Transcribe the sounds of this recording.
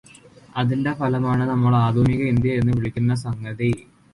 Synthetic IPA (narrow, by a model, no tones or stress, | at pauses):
ɐðinde̞pʰɐlɐmaːɳɨnɐmːɐɭaːd̪ʱuːniɣɐind̪jɐe̞nːɨʋiɭikʲːunːɐs̬ɐŋɡɐði